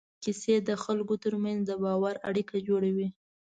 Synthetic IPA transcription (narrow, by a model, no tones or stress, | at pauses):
kised̪əxalkot̪əɾmanzd̪əbɑwaɾa̰ɽikad͡ʒoɽawi